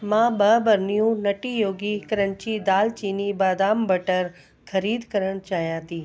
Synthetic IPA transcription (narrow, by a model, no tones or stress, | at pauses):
mãːbɐbɐɾnijũnɐʈijoːɡikɐɾənt͡ɕid̪aːlt͡ɕiːnibaːd̪aːmbɐʈəɾ | kʰɐɾiːd̪kɐɾəɽ̃t͡ɕaːɦijãːt̪iː